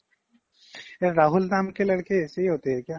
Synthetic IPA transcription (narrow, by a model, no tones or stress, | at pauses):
eɾaːɦʊld̪aːmkelɐɽkeɛːseɦiɦoːt̪eɦɛkjaː